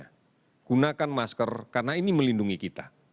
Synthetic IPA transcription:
a | ɡ̥unakanmaskərkarənainiməlinduŋikit̪a

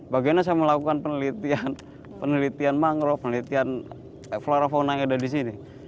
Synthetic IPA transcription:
baɡanas̬ajaməlakukanpənəlit̪ian | pənəlit̪ianmaŋɾɔpənəlit̪ian | floɾafonaadadis̬ini

